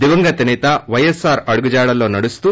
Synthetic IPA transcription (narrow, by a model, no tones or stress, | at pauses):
d̪iʋɐŋɡɐt̪ɐnit̪ɐʋɐjesaːɾɐɽuɡud͡ʒaːɽɐlo̞ːnɐɽust̪u